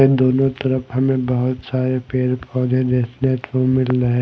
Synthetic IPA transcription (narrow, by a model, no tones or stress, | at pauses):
ed̪oːnõt̪ɐɾəfɦɐmẽbɐɦʊt̪saːɾepeːɾpʰɔːd͡ʒẽɾeːsneːt̪ʋõmɪlɾɐɦẽ